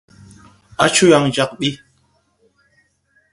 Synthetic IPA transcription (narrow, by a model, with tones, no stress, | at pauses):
a˦t͡ʃu˦ja˨ŋd͡ʒa˨k̚ɓi˦